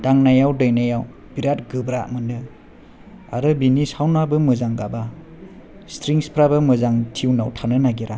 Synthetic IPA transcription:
d̥aŋnajawdɯjnajaw | b̥iɾatɡɯbɾamɯndɯ | a̰ɾɯbinisawnabɯmɯzaŋɡaba | stʰɾiŋspʰɾabɯmɯzaŋtʰiwnawtʰanɯnaɡiɾʔa

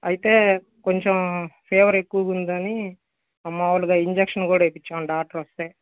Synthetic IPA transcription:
ɐjit̪e̞ː | ko̞ɲt͡ʃempʰeːʋɐɾekːuwɐkund̪ɐni | ɐmːaːʋuluɡaːiɲd͡ʒekʂɐnkuːɽaepit͡ʃːaːnɖaːk̚ʈɐɾost̪eː

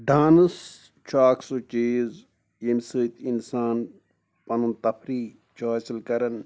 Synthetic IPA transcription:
ɖaːnɨs | t͡ʃʰaːksut͡ʃeːz | jimsɨːt̪insaːn | pɐnunt̪ɐpʰɾiː | t͡ʃʰoːt͡ʃilkɐɾɐn

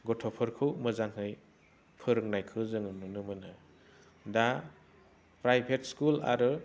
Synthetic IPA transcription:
ɡɔtʰɔpʰɯɾkʰɯwmɯzaŋɦɯj | pʰɯɾɯŋnajkʰɯzɯŋɯnunɯmɯnɯ | da | pɾajpʰetskula̰ɾɯ

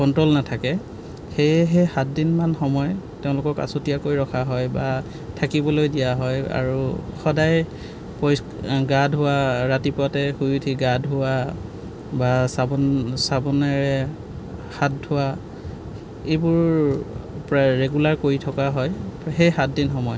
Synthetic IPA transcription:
kɔntɹolnatʰakɛ | xejɛɦejxat̚dinmanxɔmɔjteʊ̃lʊkɔɹka̰sotijakojɹɔkʰaɦɔjba | tʰakibɔlojdijaɦɔja̰ɹuxɔdaj | pɔj | ɡadʱɦʊwaɹatipɔtɛxujutʰiɡadʱɦʊa | basabsabɔnɛɹɛ | hat̚dʱʊwa | ejbʊɹ | pɹaɹeɡulaɹkoɹitʰɔkaɦɔjɦejxat̚dinxɔmɔj

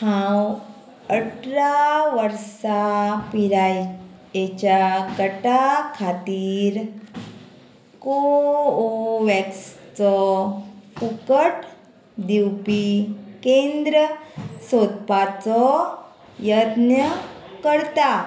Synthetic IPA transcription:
hãw | əʈɾaʋəɾsapiɾaj | et͡ɕakəʈakʰat̪iːɾ | kooʋɛkst͡sɔ | kukəʈ | d̪iwpikend̪ɾəsot̪pat͡sɔ | jəd̪nəkəɾt̪a

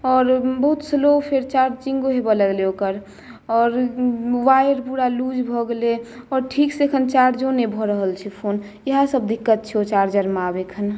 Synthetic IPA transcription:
ɔːɾbəɦut̪səlopʰeɾt͡ʃaɾd͡ʒd͡ʒĩŋɡoɦebaləɡleokəɾ | ɔːɾwajəɾpuɽalud͡ʒbʱɔɡleɔːɾʈʰiksekʰənt͡ʃaɾd͡ʒonebʱɔɾəɦəlt͡ʃʰipʰon | iɦãsəb̚d̪ikːət̪̚t͡ʃʰiot͡ʃaɾd͡ʒəɾmabekʰən

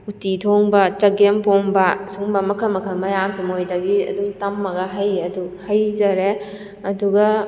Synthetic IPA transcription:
utitʰoŋbɐt͡ʃɐɡempoŋbɐsuŋbɐmɐkʰɐmɐkʰɐmɐjamsimojdɐɡiɐ̰duŋtɐmːɐɡɐɦajɐduhajzɐɾe | ɐduɡɐ

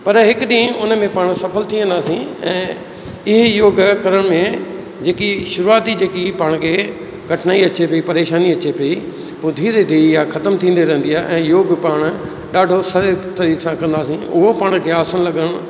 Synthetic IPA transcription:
pɐɾɦɪkʊɗĩːʊnə̆mẽpaːɽ̃sɐfʰəlt̪ʰiə̃nd̪aːsĩɛ̃ː | ɪɦɪjoːɡkɐɾəɽ̃mẽ | d͡ʑeːkiʃʊɾuaːt̪id͡ʑeːkipaːɽ̃kʰe | kɐʈʰnaːiɐt͡ɕepɐipɐɾeːʃaːniɐt͡ɕepɐi | pʊd̪ʱiɾed̪eijaxɐt̪əmt̪ʰĩːn̆d̪eɾɐɦə̃n̆d̪iaːɦʔɛ̃ːjoːɡpaːɽ̃̆ | ɗaːɖʱosɐɾet̪ɐɾiːkʰsãkɐ̃nd̪aːsĩʊɦopaːɽ̃k̪ʰeaːsənlɐɠəɽ̃

